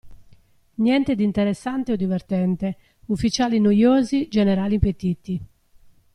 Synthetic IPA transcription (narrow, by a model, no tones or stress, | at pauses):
njɛnt̪ed̪int̪eɾesːant̪eɔd̪ːivert̪ɛnt̪e | ufːit͡ʃaːlinojoːzid͡ʒeneɾaːlimpet̪it̪i